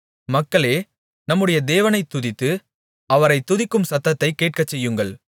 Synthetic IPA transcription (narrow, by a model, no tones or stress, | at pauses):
mɐkːɐɭeː | nɐmːɯɽɐjɐd̪eːʋɐnɐɪt̪ːʊðɪt̪ːɯ | ɐʋɐɾɐɪt̪ːʊðɪkːɯmsɐt̪ːɐt̪ːɐɪkːeːʈ̚kɐt͡ʃːɛjːɯŋɡɐɭ